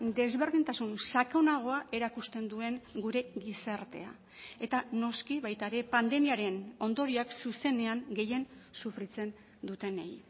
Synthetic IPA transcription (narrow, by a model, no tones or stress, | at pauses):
d̪e̞zβe̞ɾðint̪asunsakonaɣ̞o̞aʔe̞ɾakust̪e̞nd̪ue̞ŋɡuɾe̞ɣisaɾt̪e̞̰a̰ | e̞t̪ano̞skiβajt̪aeɾe̞pand̪e̞miaɾe̞no̞nd̪o̞ɾioaksuse̞ne̞aŋɡe̞je̞nsufɾit͡se̞n | d̪ut̪e̞nej